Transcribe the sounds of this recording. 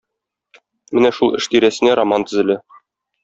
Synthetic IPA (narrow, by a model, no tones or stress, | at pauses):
mɘnæʃulˠɘ̰̆ʃt̪iɾæsɘ̆næɾɐmɑnt̪ɘ̆zɘ̆læ